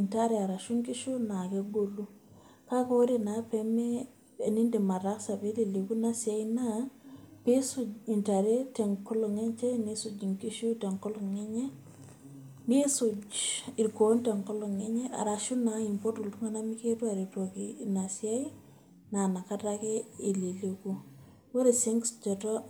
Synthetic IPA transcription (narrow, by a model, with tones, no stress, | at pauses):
i˨nta˦ɾɛ˨a˨ɾa˨ʃu˦ŋki˦ʃu˦na˨ke˦ɡo˦lu˦ | ka˦kɔ˦ɾe˦na˨pɛ˦mɛ˦ | e˨ni˦nde˨ma˨ta˦sa˨be˦le˨le˨ku˦na˦si˨a˦i˦na˦pe˦su˦d͡ʒi˨nta˨ɾe˦tɛ˨ŋkɔ˦lɔ˨ŋe˦ɲt͡ʃɛ˦ni˦su˨d͡ʒi˨ŋki˦ʃu˦te˨ŋkɔ˦lɔ˨ŋɛ˦ɲɛ˦ | ni˦sud͡ʒi˨ɾkonte˨ŋkɔ˦lɔ˨ŋe˦ɲe˦ʔa̰˨ɾa˨ʃu˦nai˨mpo˦tu˨ltu˦ŋa˦na˦mike˦tu˦a˨ɾe˨to˨kina˨sia˦i | na˨na˨ka˦take˦e˨le˨le˨ku˦ | wɔ˦ɾe˨si˦ŋɡsd͡ʒɔ˨tɔ˦